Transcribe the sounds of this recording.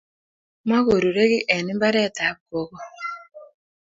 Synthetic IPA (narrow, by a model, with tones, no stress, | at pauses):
ma˦ɣo˨ɾu˨ɾe˦ɣi˦ʔɛ˨ni˦mba˦ɾɛ˦˨ta˨˦ko˦kɔ˨